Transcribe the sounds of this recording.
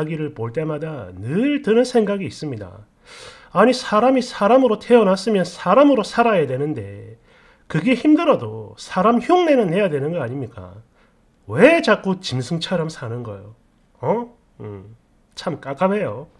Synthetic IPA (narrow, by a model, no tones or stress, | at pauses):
aɡiɾɯɭpoɭt͈e̞madanɯɭtɯnɯnsʰe̞ŋɡaɡiːs͈ɯmɲida̰ | aɲisʰaɾamisʰaɾamɯɾotʰe̞ʌnas͈ɯmjʌnsʰaɾamɯɾosʰaɾajadwe̞nɯnde̞̰ | kɯɡe̞çimdɯɾʌdo̰sʰaɾamçjuŋne̞nɯnːe̞jadwe̞nɯnɡʌaɲimɲik͈a̰ | we̞t͡ɕak͈ot͡ɕimsʰɯŋt͡ɕʰaɾʌmsʰanɯnɡʌ̰jo̰ | ʌ | ɯ | t͡ɕʰamk͈ak͈abe̞jo